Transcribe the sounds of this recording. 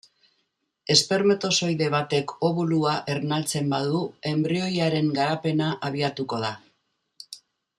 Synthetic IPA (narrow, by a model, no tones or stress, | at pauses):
e̞spe̞ɾme̞t̪o̞so̞jðe̞β̞at̪e̞kʰo̞βuluaʔe̞ɾnalt͡se̞mbaðue̞mbɾio̞jaɾe̞ŋɡaɾape̞naʔaβ̞iat̪uko̞ð̞a